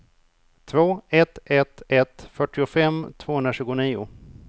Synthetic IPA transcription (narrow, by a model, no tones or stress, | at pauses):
t̪ʰvoːɛt̪ɛt̪ɛt̪fœʈːɪʊfɛmt̪ʰv̥oːhɵnɾaɕʉ̟ːɡʊniːʊ̰